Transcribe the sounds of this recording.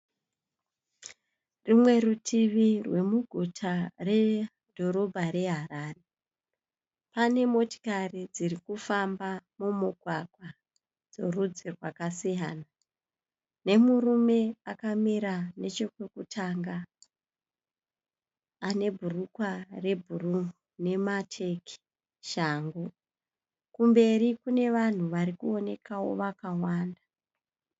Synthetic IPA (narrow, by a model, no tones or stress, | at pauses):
rimwe̞rutʰiʋirwe̞muɡʱutʰare̞ | dʱo̞ɾo̞bʱaɾe̞ɦaraːre | pane̞mo̞ti̥karid͡zirikufambamumuɡʱwaɡʱwa | d͡zo̞rud͡zirwakasijana | ne̞murume̞akamiɾane̞t͡ʃo̞kwe̞kutʰaŋɡa | ne̞bʱurukware̞bʱuruune̞matʰe̞ki̥ | ʃaːŋɡo | kumbe̞rikune̞ʋan̤uʋaɾikuo̞ne̞kawo̞̰ʋakawaːnda